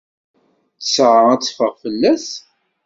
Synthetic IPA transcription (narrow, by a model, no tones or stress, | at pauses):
θə̥sʕəæt͡sːfəʁfəlːæs